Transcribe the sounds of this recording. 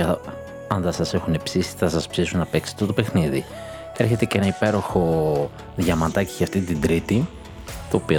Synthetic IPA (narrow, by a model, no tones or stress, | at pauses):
ɐ | ɐnðɐsɐse̞xune̞psisi̥θɐsɐspsisunnɐpe̞kse̥t̪ot̪o̞pexniði | e̞ɾçe̞t̪e̞cee̞nɐipe̞ɾo̞xo̞ | ðʝɐmɐt̪ɐciʝɐft̪it̪ind̪ɾit̪i | t̪o̞ːpio